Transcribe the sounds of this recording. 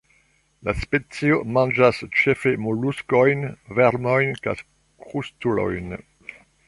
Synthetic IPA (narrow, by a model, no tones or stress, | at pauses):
laspet͡siomɑ̃nd͡ʒast͡ʃefemoluskɔjnvɛɾmɔjnka̰s | kʁust̪ulɔ̰jn